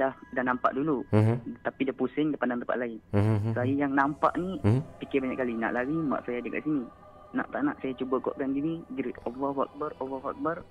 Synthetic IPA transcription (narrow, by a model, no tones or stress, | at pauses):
dahdahnampa̰ʔdulut̪apidiapusɪŋdapandaŋt̪ə̥pa̰ʔ̚laɪnsajajaŋnampa̰ʔnipikɪbaɲa̰ʔkalina̰ʔlaɡima̰ʔsajad͡ʒaka̰ʔsini | na̰ʔt̪aʔna̰ʔsajat͡ʃubəɡɔ̰ʔkanɡiniɡɾit̪ovəwɔk̚bərovawɔk̚bər